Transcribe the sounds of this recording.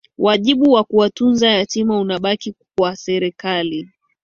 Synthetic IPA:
wʔaʄiɓuwakuwatunzajatimaunaɓakikwasɛɾɛkali

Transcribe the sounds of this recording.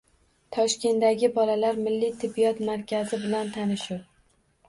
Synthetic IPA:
t̪ʰɒʃkʲe̞nd̪aɡʲɪbɒlalaɾmɪlːijt̪ʰɪbːijɒt̪maɾkʲʰazɪbɪlant̪ʰanɪʃʊw

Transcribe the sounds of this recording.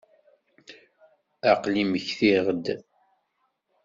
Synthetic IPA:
aqliməçθiʁəd̪

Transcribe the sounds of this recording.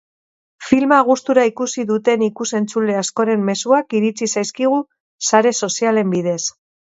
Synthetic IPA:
filmaɣ̞ust̪uɾaikusiðut̪e̞nikuse̞nt͡sule̞asko̞ɾe̞mːe̞suakiɾit͡sisajskiɣ̞u | saɾe̞so̞siale̞mbið̞e̞s

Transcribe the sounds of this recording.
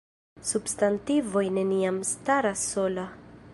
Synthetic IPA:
substantivo̞jne̞niamstaɾasːo̞la

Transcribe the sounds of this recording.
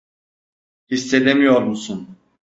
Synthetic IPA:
hisːed̪emijoɾmusun

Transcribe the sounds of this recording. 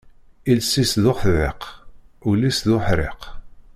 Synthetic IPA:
ilsisðʊχθðɪ̰qulisðʊħɾɪ̰q

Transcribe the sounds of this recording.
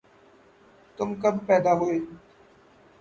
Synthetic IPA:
t̪ʊmkəbpɛːd̪aːɦoeː

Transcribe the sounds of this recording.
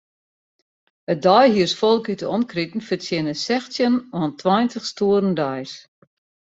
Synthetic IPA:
ədɔjhiərsfɔlˠkytəɔnkritn̩fəsjɪnəsɛxsjənɔntʰwɔjntʰəxstuəɾəndɔjs

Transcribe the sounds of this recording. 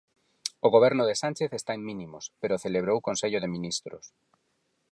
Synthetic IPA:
oɣ̞oβ̞eɾnoðesanʲt͡ʃeθest̪aeŋmĩnimospeɾoθeleβɾowkonseʎoðemĩnist̪ɾo̰s

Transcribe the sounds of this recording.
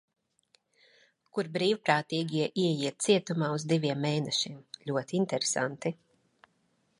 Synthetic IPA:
kuɾbɾiːwpɾaːt̪iːɡʲiiɛʔiɛjiɛt̪̚t̪siɛt̪umaːuzd̪iʋʲiɛmːeːnɛʃiɛmlʲuɔt̪iint̪ɛɾesa̰nt̪i

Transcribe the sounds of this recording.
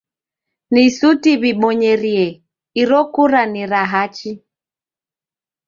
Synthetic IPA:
nisutiβiɓɔɲɛɾiɛ | iɾɔkuɾaniɾaɦat͡ʃi

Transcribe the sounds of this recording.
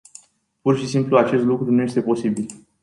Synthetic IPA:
purʃisimpluat͡ʃe̞st̪lukɾunuje̞st̪epo̞sibil

